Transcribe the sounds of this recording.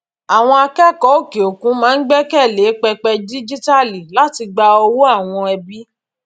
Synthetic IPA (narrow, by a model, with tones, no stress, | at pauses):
a˨w̃ɔ̃˧a˧kɛ˦˨kɔ˨˦o˦˨ke˨o˨kũ˨˦mãː˦n̩˦ɡ͡bɛ˦kɛ˦˨le˨˦k͡pɛ˧k͡pɛ˧di˦d͡ʒi˦ta˦li˨la˦ti˧ɡ͡ba˧ɔ˧wu˦a˦˨w̃ɔ̃˧ɛ˧bi˦